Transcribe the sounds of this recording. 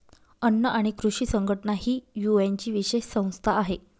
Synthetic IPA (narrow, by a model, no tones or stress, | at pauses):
ənːəʔaɽ̃ikɾuɕiːsəŋɡʱəʈənaɦiːjuent͡ɕiːʋiɕeɕsə̃w̃st̪ʰaːɦe